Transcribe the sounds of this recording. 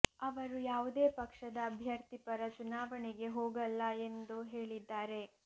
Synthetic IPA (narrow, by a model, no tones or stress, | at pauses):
ɐʋɐɾujaːʋud̪eːpɐkʂɐd̪ɐːbʱjɐɾt̪ipɐɾɐt͡ʃunaːʋɐɳiɡe̞ɦoːɡɐlːɐe̞nd̪uɦe̞ːɭid̪ːaːɾe